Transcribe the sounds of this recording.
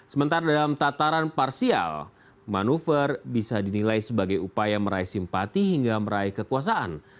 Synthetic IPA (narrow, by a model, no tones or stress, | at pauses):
səmənt̪aɾadalamt̪at̪aɾanparsia̰l | manufərbisadinilajsəbaɡajupajaməɾaisimpat̪iɦiŋɡaməɾaikəkuas̬aʔa̰n